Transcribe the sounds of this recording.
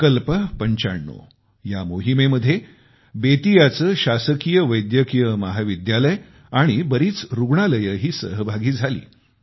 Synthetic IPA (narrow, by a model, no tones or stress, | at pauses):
kəlpəpəɲt͡ɕaɳːo̰ | jamoɦimeməd̪ʱːje | bet̪ijat͡səːɕasəkijəʋəjd̪jəkijəməɦaʋid̪jaləj | aɽ̃ibəɾiːt͡sɾuɡɳaləjəɦiːsə̰ɦəbʱaɡiːd͡zʱalḭː